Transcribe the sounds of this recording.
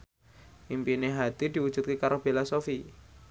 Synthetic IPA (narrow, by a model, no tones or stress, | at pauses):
impineɦat̪id̪̥i̤wu̥ʒ̥ṳt̪̚kekaɾob̥elasofi